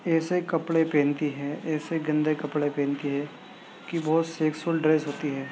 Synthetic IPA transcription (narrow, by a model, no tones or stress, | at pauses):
ɛːsekɐpɽepẽːnt̪iɦɛːɛːseɡɐ̃nd̪ʱekɐpɽepẽːnt̪iɦɛː | kibɔːt̪seːksulɖɾeːsɦoːt̪iɦɛː